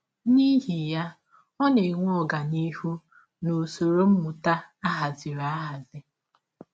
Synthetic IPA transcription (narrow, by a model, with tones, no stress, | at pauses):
ni˦ɦi˨ja˦ | ɔ˦ne˨ŋʷ˦ɔ˨ɡa˨ni˦hu˦ | no˨so˨ɾo˦m̩˦mʊ˨ta˦a˦ɦa˨zɪ˨ɾa˨a˦ɦa˨zɪ˦